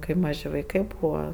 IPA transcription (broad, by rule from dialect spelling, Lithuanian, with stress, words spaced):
ˈkɐɪ ˈmɑːʒʲɪ ʋɐɪˈkɐɪ ˈbuːʋɐ